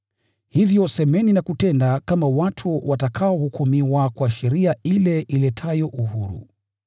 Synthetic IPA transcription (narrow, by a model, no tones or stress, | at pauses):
hivjɔsɛmɛninakutɛndakamawatʰuwʔatakʰaɔhukʰɔmiwakwaʃɛɾiailɛʔilɛtʰajɔʔuhuɾṵ